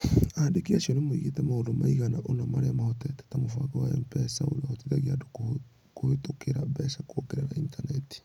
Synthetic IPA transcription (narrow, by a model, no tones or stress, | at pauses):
adekiasiɔnemoḭɣetɛmahondomaiɣanaʔonamaɾeamahotɛtɛ̥tamofaɣawaɛmpɛsao̰naɣotiðaɣiadoko | koetokʰeɾabɛsakookeɾeɾaintanɛti̥